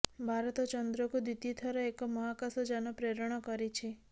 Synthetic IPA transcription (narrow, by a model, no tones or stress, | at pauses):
bʱaɾt̪ɔt͡ʃɔnd̪ɾɔkud̪it̪it̪ʰəɾaekɔmɔɦakasɔd͡ʒanopɾeɾɽ̃ɔkəɾit͡ʃʰe